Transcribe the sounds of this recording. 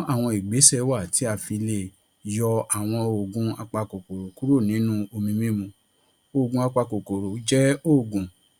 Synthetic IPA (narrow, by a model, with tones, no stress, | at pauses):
a˦˨w̃ɔ̃˧i˨ɡ͡be˨˦sɛ˦˨wa˦˨ti˨˦a˧˨fi˧le˨ | jɔ˧a˨w̃ɔ̃˧o˨ɡũ˨˦a˧k͡pa˧ko˨ko˨ɾo˨ku˦ɾo˦˨nĩ˨˦nũ˦o˧mĩ˧mĩ˦mũ˧ | o˦˨ɡũ˧˦a˧k͡pa˧ko˨ko˨ɾo˨˦d͡ʒɛ˦o˦˨ɡũ˨